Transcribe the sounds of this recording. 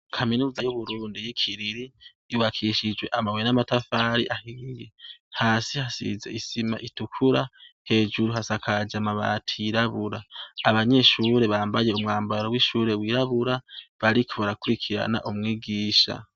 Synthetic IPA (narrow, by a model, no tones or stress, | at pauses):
kʰaminuːzajuβuɾuːndijikʰiɾiɾiː | wakʰiʃid͡ʒwe̞ʔamawenamatafaːɾḭʔahijehaːsihasḭze̞̰isima̰ʔitukʰuɾahe̞ːd͡ʒuɾuɦasakʰad͡ʒamaβa̰tʰiiɾaβuɾaːβaɲe̞ʃuɾe̞βaːmbaje̞umŋaːmbaɾowiʃuːɾe̞wiɾaβuɾaβaɾikʰoβaɾakuɾikʰiɾa̰na̰ʔumŋiːɡiːʃa̰